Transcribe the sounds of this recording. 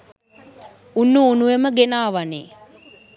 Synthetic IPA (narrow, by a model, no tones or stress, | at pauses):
unːuːnuʋeməɡenaːʋanḛː